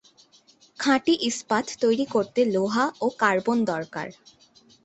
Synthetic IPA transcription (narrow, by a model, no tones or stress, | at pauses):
kʰãʈiʔispat̪t̪ojɾikoɾt̪eloɦaokaɾbond̪ɔɾka̰ɾ